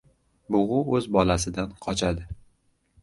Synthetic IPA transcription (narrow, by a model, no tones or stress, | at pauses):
bʊʁʊɵzbɒlasɪd̪anqʰɒt͡ʃʰad̪ɪ